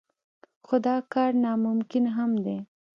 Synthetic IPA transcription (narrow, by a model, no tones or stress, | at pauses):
xod̪ɑkɑɾnɑmʊmkɪnɦamd̪e